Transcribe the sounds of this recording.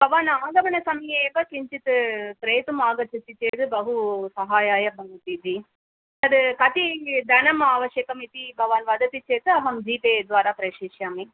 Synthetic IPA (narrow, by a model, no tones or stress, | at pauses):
b̥ʱɐʋaːnaːɡ̪ɐʋɐnɐsɐmjeːʋɐkiɲt͡ʃit̪ɨpɾeːjt̪umaːɡɐt͡ʃisit͡ʃeːt̪ɨbɐɦusɐɦaːjaːjɐbɐnɐt̪it̪i | t̪ɐd̪ɨkɐt̪id̪ʱɐnɐmaːʋɐʃjɐːkɐmit̪ibʱɐʋaːnʋɐd̪ɐt̪it͡ʃeːt̪ɨɐɦɐmd͡ʒiːpeːd̪ʋaːɾaːpɾɐʃiːʃjaːmi